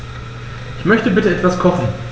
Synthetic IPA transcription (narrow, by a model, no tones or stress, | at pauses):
ʔɪçmœçtəbɪtəɛtv̥askʰɔχn̩